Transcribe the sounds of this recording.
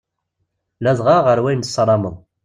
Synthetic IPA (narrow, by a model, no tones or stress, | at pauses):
læzˤʁɑʁəɾwæjnsˤːɾˤɑməðˤ